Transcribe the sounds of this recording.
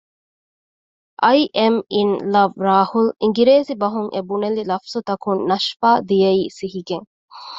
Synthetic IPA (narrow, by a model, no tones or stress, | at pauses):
ʔɐjʔeminlɐʋɾaːhuliŋɡiɾeːsibɐɦuŋʔebunelilɐfsut̪ɐkunnɐʃfaːd̪ijɐiːsiɦiɡeŋ